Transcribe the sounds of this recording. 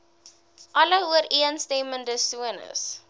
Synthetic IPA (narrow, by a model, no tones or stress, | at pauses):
ʔɐləɦuəɾiənstɛməndəsuənə̰s